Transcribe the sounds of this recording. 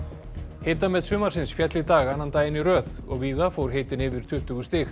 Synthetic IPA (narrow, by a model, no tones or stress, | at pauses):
hejt̪amɛðsʏːmaɾ̥sɪnsfjɛt̪lɪt̪aːɣanːant̪aːjɪnirœːðɔ̰ɣviːðafoːwɾ̥ɦeːjt̪ɪnɪːvɪɾ̥t̪ʰʏht̪ʏɣʏst̪ɪx